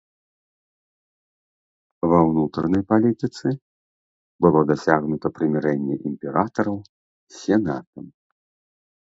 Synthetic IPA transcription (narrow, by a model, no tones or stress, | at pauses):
vɐwnut̪ɾɐnɐjpalʲit̪ɨt̪sɨ | bɨlˠɔd̪asʲaɣnut̪ɐpɾɨmʲɛɾɛnʲːɛ̰ʔimʲpʲɛɾat̪ɐɾɐw | sʲɛnat̪ɐm